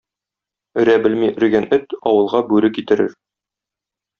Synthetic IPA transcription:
ɵ̆ɾæbɘlmiʔɵ̆ɾɡænɵt̪ɒwɤ̆lˠʁɑbʉɾɘkit̪ɘ̆ɾɘ̰ɾ

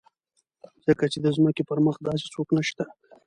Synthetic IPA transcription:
z̥əkat͡ʃed̪əzməkepəɾməχd̪ɑs̬e̥t͡soknəʃt̪a

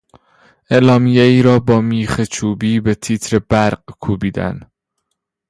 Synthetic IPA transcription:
e̞lɒːmijeiːɾɒːbɒːmiːχet͡ʃʰuːbiːbet̪ʰiːt̪ʰɾe̞bæɾqkʰuːbiːd̪æ̰n

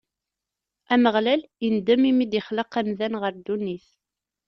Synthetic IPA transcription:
æməʁlælind̪æmimid̪ɪχləqæmðænʁəɾd̪uniθ

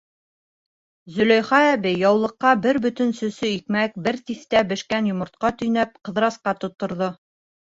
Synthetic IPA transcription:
zɵ̆læjχɑæbɘjɑwlˠɤ̆qːɑbɘɾbɵ̆t̪ɘ̆nsɵ̆sɵikmæk̚bɘɾt̪iθt̪æbɘ̆ʃkænjŏmŏɾt̪̚qɑt̪ɵ̆jnæp̚qɤ̆ðɾɑsqɑt̪ŏt̪ːŏɾðo

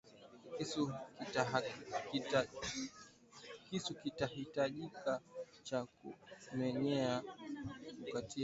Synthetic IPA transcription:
kisuaka | kisukitahitaʄika | t͡ʃakṵmɛɲɛa | kukati

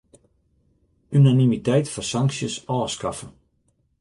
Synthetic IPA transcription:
ynanimitɛjtfɔsaŋksjəsɔːskafə

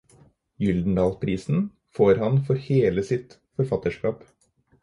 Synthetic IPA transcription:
jʏld̪n̩d̪ɑːlpʰɾiːsn̩ | foːɾhɑnfɔɾheːləsɪt̪ | fɔɾfɑt̪əʂkɑːp

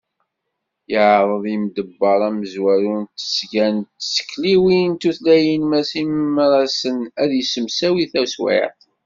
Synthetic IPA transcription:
jəʕɾˤəðˤimd̪əbːɑɾˤæməzwæɾunt̪ːə̥sɡænt̪sə̥kːliwint̪uθlæjənmæsiməmːɾˤɑsənæðjəsəmsæwiθæswɪ̰t

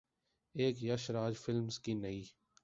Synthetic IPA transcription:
eːkjəʃɾaːd͡ʒfɪlmzkinəiː

